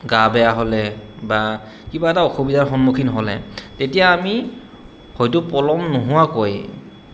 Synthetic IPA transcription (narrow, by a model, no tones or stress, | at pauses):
ɡabɛjaɦɔlɛba | kibaɛtaɔxobidaɹxɔnmukʰinɔɦɔlɛ̰tetijaːmi | hojtʊpɔlɔmnoɦʊwakoj